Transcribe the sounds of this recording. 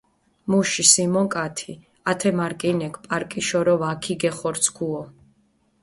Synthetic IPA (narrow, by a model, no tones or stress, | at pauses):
muʃisimɔŋkʼat̪ʰi | at̪ʰɛmaɾkʼinɛkʰpʼaɾkʼiʃɔɾɔvakʰiɡɛχɔɾt̪sʰkʰuɔ